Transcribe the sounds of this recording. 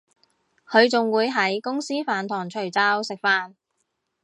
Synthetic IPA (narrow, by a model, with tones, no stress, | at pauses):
kʰɵ˨˧ɥt͡sʊ˨ŋwuː˨˧jɦɐ˨˥jkʊ˥ŋsiː˥faː˨nt̪ʰɔː˨˩ŋt͡ʃʰɵ˨˩ɥt͡saː˧˥wsɪ˨k̚faː˧˥n